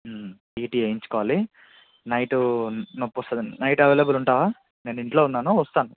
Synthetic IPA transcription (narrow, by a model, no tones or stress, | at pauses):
iːʈiːɐjiɲt͡ʃu̥kɔːʋaːli | nɐjʈunopːust̪ɐd̪inɐjʈɐʋeːlɐbuluɳʈaːʋaː | ne̞ːniɳʈlo̞ːunːaːnuʋɐst̪aːnu